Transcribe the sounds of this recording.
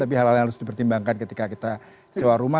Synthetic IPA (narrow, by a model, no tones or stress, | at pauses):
t̪ap̬iɦalalaŋɦaɾʊsdipərt̪imbaŋkankət̪ikakit̪a | sewaɾuma